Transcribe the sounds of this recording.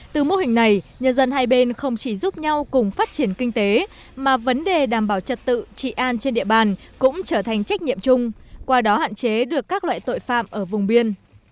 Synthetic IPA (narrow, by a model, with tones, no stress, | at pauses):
t̪ɨ˨˩mo˧hï˨˩ŋ̟na˨˩jɲə˧nzə˧nɦaː˧jɓe˧nxə˧wŋ͡mt͡ɕi˧˩zu˦˥p̚ɲa˧wkʊ˨˩ŋ͡mfaː˦˥t̚t͡ɕi˧˩ənkï˧ŋ̟t̪e˨˦ | maː˨˩və˨˦nɗe˨˩ɗaː˨˩mɓaː˧˩wt͡ɕə˨˩t̚t̪ɨ̰˧˨t͡ɕḭ˧˨ʔaː˧nt͡ɕe˧nɗḭ˧˨əɓaː˨˩nkʊ̰˧˥ŋ͡mt͡ɕəː˧˩t̪ʰa˨˩jŋ̟t͡ɕa˦˥k̟̚ɲḭ˧˨əmt͡ɕʊ˧ŋ͡mkwaː˧ɗɔ˨˦ha̰ː˧˨nt͡ɕe˨˦ɗɨ˨˩əkːaː˦˥k̚lwa̰ː˧˨jt̪o̰˧˨jfa̰ː˧˨mʔəː˧˩vʊ˨˩ŋ͡mɓi˧ən